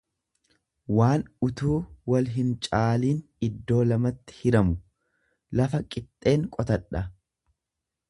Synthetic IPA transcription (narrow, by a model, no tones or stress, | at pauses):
waːnʊt̪uːwɐlɦɪnt͡ʃʼaːliːn | ɪd̪ːo̞ːlɐmɐt̪ːɪ̥hɪɾɐmʊ | lɐfɐkʼɪt̪ʼːe̞ːŋkʼɔt̪ɐᶑɐ